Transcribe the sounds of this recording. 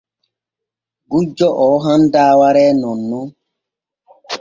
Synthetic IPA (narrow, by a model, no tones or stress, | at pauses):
ɡud͡ʒɔʔɔɦãndaːwaɾɛːnɔ̃nːɔ